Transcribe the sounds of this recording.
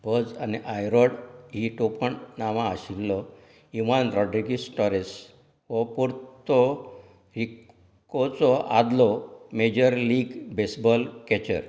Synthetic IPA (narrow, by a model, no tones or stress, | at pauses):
bəd͡zaniʔajɾɔɽɦiʈopəɳnaʋãːɕilːɔ | iʋanɾɔɖɾiɡisʈɔɾes | ʋɔpuɾt̪ɔ | ɾik | ɔt͡sɔʔa̰d̪lɔmed͡ʑəɾliːɡbesbɔlkɛt͡ɕə̰ɾ